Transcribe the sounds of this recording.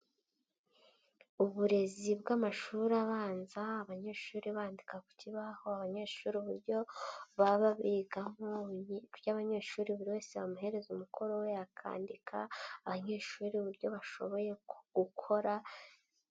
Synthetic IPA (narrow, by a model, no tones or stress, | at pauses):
uβuɾe̞zibɡamaʃuɾaβaːnzaːβaɲe̞ːʃuːɾiβaːndikaku̥ciβaho̞aβaɲe̞ːʃuːɾiβuɾɟo̞βaβaβiɡamo̞jaβaɲe̞ːʃuːɾiβuɾiwe̞ːseamuɦe̞ɾe̞zumukʰo̞ɾowejakʰa̰ːndikʰaːβaɲe̞ːʃuːɾiβuɾɟo̞βaʃo̰βo̞je̞ɡ̥ukʰo̞ɾa